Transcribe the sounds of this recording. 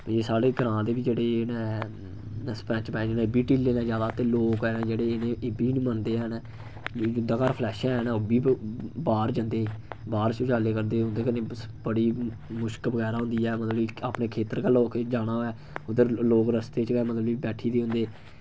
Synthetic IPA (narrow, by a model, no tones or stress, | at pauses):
d͡ʒeːsaːɽeːɡəɾãːd̪eːbiːd͡ʒeːɽeːnɛ̃ | spɾɛ̃ːt͡ʃpɛ̃ːd͡ʒnːbiːʈiːlːeːnãːd͡ʒjaːd̪aːt̪eːloːkɛːnɛːd͡ʒeːɽeːeneeːbiːnĩːmənd̪eːnː | d͡ʒʊnd̪aːkaːɾpʰlɛːʃɛ̃ːnaːobiːbaːɾd͡ʒə̃ːnd̪eːbaːɾt͡ʃʊd͡ʒaːleːkəɾd̪eːɦʊ̃nd̪eːkənẽːbəɽiːmʊʃkbəɡɛːɾaːɦʊ̃nd̪iːɛːmət̪ləbiaːpneːkʰeːt̪əɾkaːloːkd͡ʒaːɽaːɛː | ʊd̪əɾloːkɾəst̪eːt͡ʃkɛːmət̪ləbiːbɛːʈʰiːd̪eːɦʊ̃nd̪eː